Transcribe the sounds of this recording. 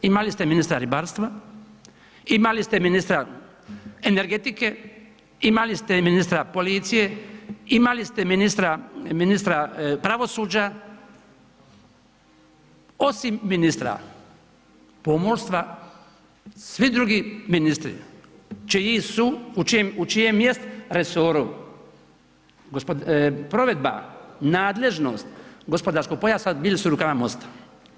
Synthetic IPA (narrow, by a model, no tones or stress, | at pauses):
imalist̪eminist̪ɾaɾibaːɾst̪ʋa | imalist̪e̞minist̪ɾa | ene̞ɾɡet̪ike̞ | imalist̪eminist̪ɾapo̞lit̪sije̞imalist̪eminist̪ɾaminist̪ɾapɾaʋo̞suːd͡ʒa | o̞simːinist̪ɾa̰ | po̞molʲst̪ʋa | sʋid̪ɾuɡiminist̪ɾḭt͡ʃijisuut͡ʃijemut͡ʃijemːjest̪ɾesoɾu | ɡospopɾoʋe̞d̪ba̰naːd̪le̞ʒno̰st̪ɡospo̞d̪aɾskoɡ̚pojasabiːlisuɾukanamost̪ḁ